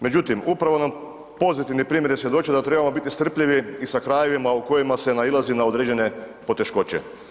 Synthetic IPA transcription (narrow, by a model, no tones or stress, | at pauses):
me̞d͡ʑut̪imupɾaʋo̞nam | po̞zit̪iʋnipɾiːmjeɾjesje̞d̪o̞t͡ʃiod̪at̪ɾe̞bamo̞bit̪ist̪r̩pʎiʋiisakɾajeʋimauko̞jimase̞nailˠazinao̞d̪ɾeːd͡ʑe̞ne̞po̞t̪e̞ʃko̞t͡ɕḛ